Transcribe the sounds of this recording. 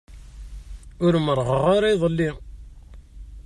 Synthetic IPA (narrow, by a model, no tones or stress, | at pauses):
ʊɾməɾˤʁəʁaɾiðˤlːi